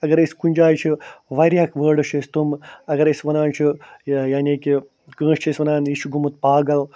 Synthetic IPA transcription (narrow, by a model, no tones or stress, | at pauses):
ɐɡɐɾesʲkunʲd͡ʒaːjt͡ʃʰiʋɐɾʲjaːkʰʋəːɖɐʃʰest̪umɐɡɐɾesʲʋɐnaːnt͡ʃʰijaːnʲiki | kə̃ːʃt͡ʃʰɐsʋɐnaːniʃʰuɡumut̪̚paːɡɐl